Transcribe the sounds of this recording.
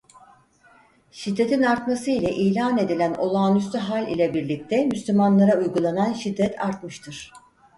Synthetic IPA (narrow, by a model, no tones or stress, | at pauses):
ʃid̪ːe̞t̪ʰinaɾt̪masɯilʲɛʔiːlʲaːne̞d̪ilʲæno̞lˠaːnyst̪yɦalʲḭlʲɛbiɾlʲic̚t̪ʰɛmyslʲymanlˠaɾaujɡulˠananʃid̪ːɛt̪ʰa̰ɾt̪mɯʃt̪ʰɯɾ̥